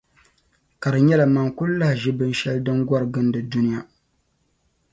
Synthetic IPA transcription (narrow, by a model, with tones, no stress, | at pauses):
ka˨ɾɨ˨ɲɛ˦la˨ma˨ŋkʊ˦lla˦hʒɪ˦bɨ˦nʃɛ˦ldɨ˦ŋɡʷɔ˦ɾɨ˨ɡɨ˦n˦dɨ˨du˦nɪ˦ja˦